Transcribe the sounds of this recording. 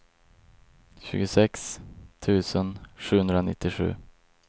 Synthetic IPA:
ɕʉ̟ːɡʊsɛkst̪ʰʉ̟ːsənʂʉːhɵnd̪ɾanɪ̰t̪ːɪɧʉ̟̰ː

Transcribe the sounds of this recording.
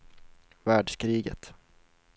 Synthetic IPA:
væːɖʂkɾiːɡə̰t̪

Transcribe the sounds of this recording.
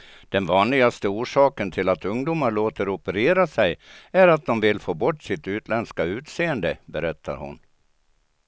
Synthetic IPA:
d̪̥ɛnvɑːnlɪɡast̪əuːʂɑːkənt̪ʰɪlat̪ɵŋd̪uːmaɭoːt̪əɾɔpəɾeːɾasɛjæɾat̪̚d̪ɔmvɪlfoːbɔʈːsɪt̪ʉ̟ːt̪lɛnskaʉ̟ːt̪seːənd̪əbɛɾɛt̪ʰːa̰ɾhʊ̰n

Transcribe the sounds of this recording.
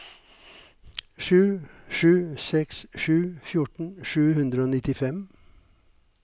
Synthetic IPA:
ʂʉːʂʉːsɛksʂʉːfjʊʈɳ̩ʂʉːhʉnd̪ɾəoːnɪt̪ɪfɛm

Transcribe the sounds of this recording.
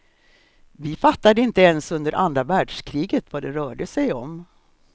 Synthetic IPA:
vɪfat̪ːad̪əɪnt̪əɛnsɵnd̪əɾʔand̪ɾavæːɖʂkʰɾiːɡət̪vad̪ɛɾœːɖəsɛjɔm

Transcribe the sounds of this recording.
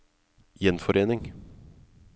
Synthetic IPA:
jɛnfɔɾʔeːnɪŋ

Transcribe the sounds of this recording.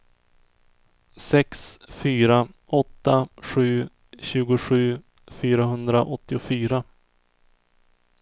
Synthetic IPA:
sɛksfyːɾa | ɔt̪ːaɧʉ̟ː | ɕʉ̟ːɡʊɧʉ̟ː | fyːɾaɦɵnd̪ɾaʔɔt̪ːɪʊfyːɾa

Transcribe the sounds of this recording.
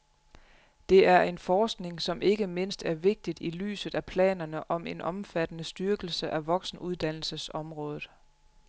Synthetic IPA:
d̥e̝æɐe̝nfɒːsɡ̥ne̝ŋsɒ̽mʔe̝ɡ̥əme̝n̰sd̥æɐʋe̝ɡ̥̚d̥id̥ily̰ːsð̩ˠæpʰlɛ̰ːnɐnəʔɒ̽me̝nʔɒ̽mfæd̥ənəsd̥yɐɡ̥l̩səʔæʋɒ̽ɡ̥sn̩ʔuð̞ˠd̥æn̰l̩səsɒ̽mʁɔ̽ːðˠð̩ˠ

